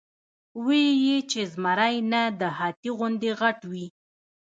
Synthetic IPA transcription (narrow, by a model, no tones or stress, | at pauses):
wejet͡ʃezmaɾajnad̪əhat̪iɣʊnd̪eɣaʈwi